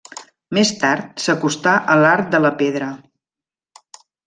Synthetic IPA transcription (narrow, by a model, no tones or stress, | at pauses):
mest̪aɾt̪̚səkust̪aʔəlaɾt̪̚d̪ələpeðɾə